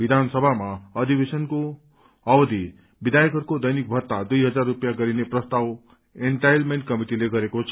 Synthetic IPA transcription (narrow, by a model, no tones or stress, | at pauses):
bid̪ʱansʌbʱamaʌd̪ibesʌnko | ʌbʌd̪ʱi | bid̪ajkʌrkod̪ʌjnik̚bʱʌrt̪ad̪ujɦʌd͡zarːupjaɡʌɾineprʌst̪aw | eɳʈajlmeɳʈ̚kʌmiʈileɡʌɾekot͡sʰʌ